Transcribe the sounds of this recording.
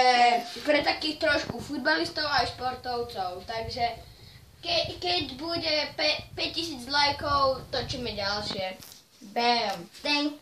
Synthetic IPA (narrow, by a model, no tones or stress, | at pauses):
pɾɛt̪akiːxt̪ɾɔʃkufud̪̚balist̪ɔʊajʃpɔɾt̪ɔʊt͡sɔʊt̪aɡʒɛ | kɛkɛɟbuɟɛpɛpɛc̚cisiːd͡zd̪lajkɔʊt̪ɔt͡ʃimɛɟalʃɪɛ | bɛmt̪ɛŋ